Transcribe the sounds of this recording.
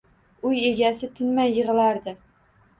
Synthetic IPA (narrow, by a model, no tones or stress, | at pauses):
ʊje̞ɡʲasɪt̪ʰɪnmajːɨʁɨlaɾd̪ɪ